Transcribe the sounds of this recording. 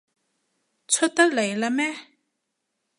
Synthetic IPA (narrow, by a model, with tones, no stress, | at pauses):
t͡sʰo˥t̪a˥ʔla˨ji˩˨la˥˨mɛː˥˨